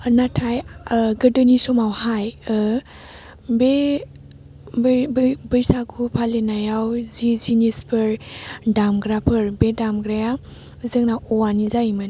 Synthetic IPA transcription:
natʰajɡɯdɯnisɔmawhaj | be | bəjsakʰupʰalenajawzizinispʰɯɾdamɡɾapʰɯɾbedamɡɾaja | ɯzɯŋnaʔɔwanizajman

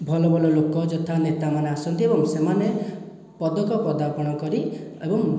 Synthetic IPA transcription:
bʱɔlɔbʱɔlɔlokɔd͡ʒɔt̪ʰanet̪amaneasɔnt̪iebɔŋsemane | pɔd̪ɔkɔpɾɔd̪apɔɽ̃ɔkɔɾiebɔŋ

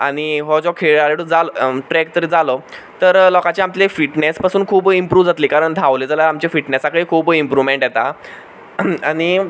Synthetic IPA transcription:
aɽ̃iɦɔd͡ʑɔkʰeaɾeɽud͡zalʈɾɛk̚t̪əɾed͡zalɔ | t̪əɾlɔkat͡ɕeamlefiʈnespasuːnkʰuːbimpɾuːʋd͡zat̪liːkaɾəɳd̪ʱaʋleːd͡zəlaamt͡ɕefiʈnesakəɭikʰuːbimpɾuʋmeɳʈjɛt̪a | aɽ̃i

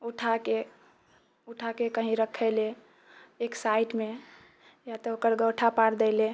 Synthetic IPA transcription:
uʈʰake | uʈʰakekəɦĩɾəkʰːəɪle | eksaiʈme | jat̪ɔokəɾɡəwʈʰapaɽd̪ɛɪle

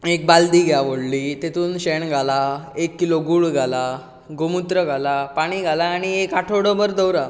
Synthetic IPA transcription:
ek̚bald̪iːɡʱjaʋoɽlit̪et̪ʰuːnɕeɳɡʱalaekːiloɡuːɭɡʱala | ɡomut̪ɾəɡʱalapaɽ̃iɡʱalaːɽ̃iekaʈʰoɽəməɾd̪əwɾa

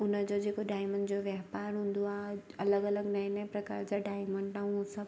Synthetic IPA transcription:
ʊnəd͡ʑod͡ʑeːkoɖaːɪməɳɖd͡ʑoʋjɐɦpaːɾɦũːnd̪oaːɐləɡɐləɡnaːɦĩnɐ̃pɾɐkaːɾd͡ʑaɖaːɪməɳɖaːũsɐb

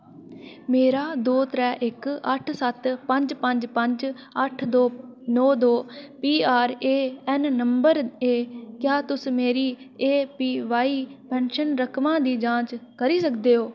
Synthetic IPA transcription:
meːɾaːd̪oːt̪ɾɛːʔɪkəʈʰsət̪pə̃ɲd͡ʒpə̃ɲd͡ʒpəɲd͡ʒ | əʈʰd̪oːnɔːd̪oːpiːaːɾeːɛnːəmbəɾeːkjaːt̪ʊsmeːɾiːeːpiːʋaːiːpɛ̃ːnʃənɾəkʰmãːd̪iːd͡ʒãːt͡ʃkəɾiːsəkd̪eːɦoː

